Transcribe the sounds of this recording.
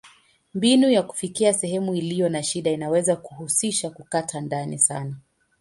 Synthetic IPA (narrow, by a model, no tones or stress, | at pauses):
mbinujaku̥fikiasɛhɛmuilijɔnaʃiɗainawɛzakuhusiʃakukatʰandanḭsana